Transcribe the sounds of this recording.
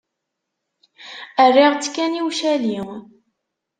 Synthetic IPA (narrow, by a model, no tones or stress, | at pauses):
ərːiʁt͡sːkːæniwʃæli